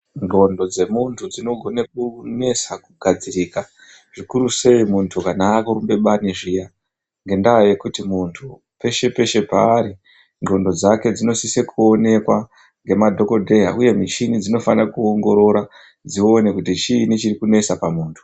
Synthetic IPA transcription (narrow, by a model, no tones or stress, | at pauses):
ŋo̞ndo̞d͡ze̞muntʰud͡zino̞ɡʱo̞nak̚une̞sakuɡʱad͡ziriːka | ʐ̥ikuɾuse̞imuntʰukanakuɾumbe̞ɓaniʐija | ŋɡe̞ndaːje̞kutimuntʰu | pe̞ʃe̞pe̞ʃe̞pa̰ːɾi | ŋɡo̞ndo̞d͡zake̞d͡zino̞sisekʰuo̞ne̞kwa | ŋɡe̞madʱo̞ko̞dʱe̞ɦa̰uje̞mit͡ʃinid͡zino̞fanakuoŋɡo̞ɾo̞ɾa | d͡zio̞ne̞kutit͡ʃinit͡ʃirikune̞sapamuːntʰu̥